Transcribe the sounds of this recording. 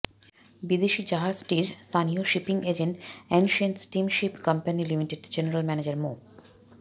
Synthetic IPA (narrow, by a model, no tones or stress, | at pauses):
bid̪eʃid͡ʑaɦad͡ʑʈiɾst̪anioʃipiŋed͡ʑeɳʈenʃənʈsʈimʃipkʌmpanilimiʈeɖd͡ʑeneɾalmɛned͡ʑaɾmo